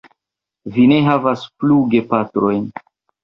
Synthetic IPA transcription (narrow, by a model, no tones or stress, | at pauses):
vine̞ɦavaspluɡe̞patɾo̞jn